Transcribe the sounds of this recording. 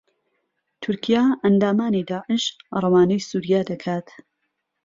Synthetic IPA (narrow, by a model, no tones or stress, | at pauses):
t̪ʰʊɾkʰijaːʔɐnd̪aːmaːnid̪aːʕɪʃrˤɑwaːnɐjsuːɾijaːd̪ɐkʰaːt̪